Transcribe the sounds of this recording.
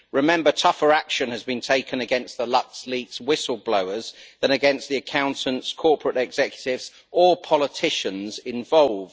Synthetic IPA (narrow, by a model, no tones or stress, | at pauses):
ɹɪmɛ̃mbətʰʌfəɹakʃə̃nəzbĩntʰeɪkʰə̃nəɡɛ̃nsðəlʌk̚sliˑkswɪsəl̩ˠbləʊəzðə̃ñəɡɛ̃nsðiəkʰãʊ̃ntə̃ntskʰɔˑpʰɹətɛɡz̥ɛkjə̥tɪvz̥ | ʔəpʰɒlɪtʰɪʃə̃nzɪ̃ɱvɒlˠvd̥